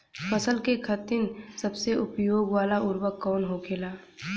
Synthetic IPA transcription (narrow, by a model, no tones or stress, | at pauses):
fəsəlkekʰət̪ɪnsɐbseʊpjoːɡwaːlaʊɾwəkːɔːnɦokʰeːlaː